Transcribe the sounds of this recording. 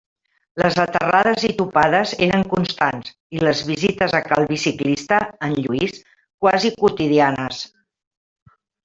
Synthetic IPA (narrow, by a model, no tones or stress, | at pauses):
ləzət̪ərað̞əzit̪upaðəzeɾəŋkunst̪anz | iləzβizit̪əzəkalˠβisiklist̪əːnʎuis | kwazikut̪iðianəs